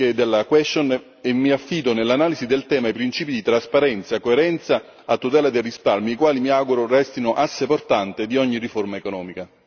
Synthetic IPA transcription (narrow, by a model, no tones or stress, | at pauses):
ed̪elːakwɛst̪on | emːiafːiːd̪onelːanaːlizid̪elt̪ɛːmaipɾint͡ʃiːpid̪it̪ɾaspaɾɛnt̪sakoeɾɛnt̪saː | t̪ːut̪̬ɛːlad̪ejrisparmiːkwaːlimiaɡuɾorɛst̪inʊʔasːeport̪ant̪ɪd̪iɔɲːiriformaekonɔːmika